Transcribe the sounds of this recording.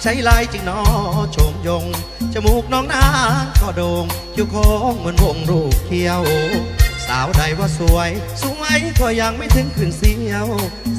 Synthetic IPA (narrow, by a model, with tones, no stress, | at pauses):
t͡ɕʰa˨˦jlaː˧˩jt͡ɕɨ˨˧˩ŋnɔ˧t͡ɕʰoː˨˦mzo˧˩ŋ | t͡ɕa˧˩mu˧˩k̚nɔː˧˥ŋnaː˧˥kʰɔː˧˩ɗoː˨˩ŋ | ki˧wkʰɔː˧˦˥mɨ˨˧˩nmo̰˧˩ŋɾu˧˩kʰi˧əwsaː˨˦wɗa˨˩jwaː˧˩su˧˩əjsu˧˦ŋʔa˧˥jk̪ʰɔː˧˩jaː˧˩ŋma˧˩jt̪ʰɨ˧˥ŋk̪ʰɨ˨˩əŋsi˧əw